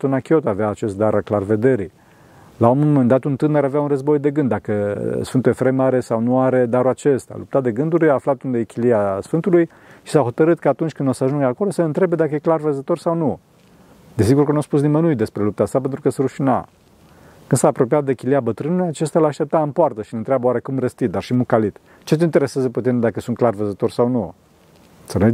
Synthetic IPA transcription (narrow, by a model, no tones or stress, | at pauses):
t̪unakʲiot̪aveaːt͡ʃe̞st̪̚d̪aɾalklarve̞d̪e̞ɾij | laumumend̪at̪unt̪ɨneɾaveaunrəzbo̞jd̪e̞ɡɨnd̪akəsfɨnt̪uje̞fɾemaɾe̞sawnuaɾe̞d̪aɾuat͡ʃe̞st̪ea̰lup̚t̪at̪d̪e̞ɡɨnd̪uɾʲaːflat̪und̪ekʲiliasfɨnt̪uluj | ʃi̥saɦo̞t̪əɾɨt̪kəat̪unt͡ʃʲkɨnosəaʒuŋɡəako̞lo̞səɨnt̪ɾe̞be̞d̪akəjeklarvəzət̪o̞rsawnu | d̪es̬iɡurkənuaspus̬nimənuujt̪̚d̪e̞spɾe̞lup̚t̪ast̪apent̪ɾukəsɾuʃina̰ | kɨnsaːpɾo̞pijat̪̚d̪ekʲiliabət̪ɾɨnulujat͡ʃe̞st̪alaːʃt̪ep̚t̪aɨmpoart̪əʃinɨnt̪ɾeabəoaɾe̞kumrəst̪it̪̚d̪arʃimukalit̪ | t͡ʃe̞t̪eint̪e̞ɾe̞sjazəput̪ind̪akəsunt̪̚klarvəzət̪o̞rsawnu | səne